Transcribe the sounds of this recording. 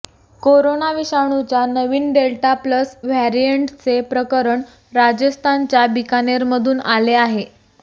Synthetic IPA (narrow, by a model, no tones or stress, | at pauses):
koɾonaʋiɕaɽ̃ut͡ɕjanəʋiːnɖelʈapləsʋɛɾijəɳʈt͡sepɾəkəɾəɳ | ɾad͡ʑəst̪ʰant͡ɕjabikaneɾməd̪ʱuːnaleaɦe